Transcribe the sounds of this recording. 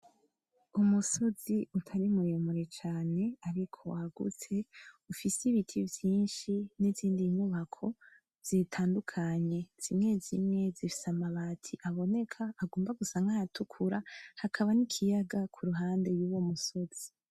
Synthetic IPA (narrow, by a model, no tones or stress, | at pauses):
umuso̞z̥iutʰaɾimuɾemuɾe̞t͡ʃaːne̞aɾikʰo̞̰aɡṵt͡se̞ufisiβitʰivjiːnʃiniziːndiɲuβakʰo̞ | z̥itʰaːndukʰaɲe̞z̥imŋe̞zimŋe̞zifi̥samaβaːtʰiʔaβo̞ne̞kʰaːɡoːmbaɡusaŋajatʰukʰuɾahakʰaβanikʰijaɡakʰuɾuɦaːnde̞juwomuso̞z̥i̥